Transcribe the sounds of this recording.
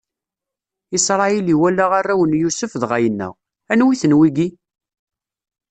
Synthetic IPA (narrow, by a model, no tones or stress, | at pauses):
isɾˤɑjiliwælːaʁarːæwənjusəfðʁæjənːə̰ʁ | ænwiθənwiɡi